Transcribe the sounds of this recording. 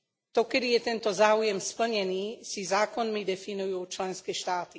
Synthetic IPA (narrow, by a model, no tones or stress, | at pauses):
t̪ɔkɛd̪ijɛt̪ɛnt̪ɔzaːujɛmspl̩ɲɛniːsizaːkɔnmid̪ɛfinujuːt͡ʃlɛnskɛːʃt̪aːt̪i